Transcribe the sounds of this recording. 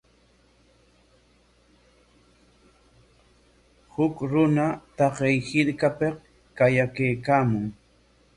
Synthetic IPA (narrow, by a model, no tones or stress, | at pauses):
hʊkɾʊnat̪ɑqejhɪɾkapeq | kajakejkaːmʊŋ